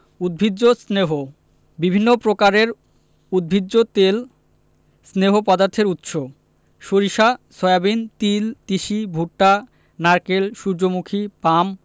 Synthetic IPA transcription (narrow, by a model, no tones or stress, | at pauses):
ud̪̚bʱidosneɦo | bibʱinːopɾokaɾeɾ | ud̪̚bʱidːot̪el | sneɦopɔd̪aɾt̪ʰeɾut̪ʃo | ʃoɾiʃasɔjabint̪ilt̪iʃibʱuʈːa | naɾkelʃuɾd͡ʑomukʰipam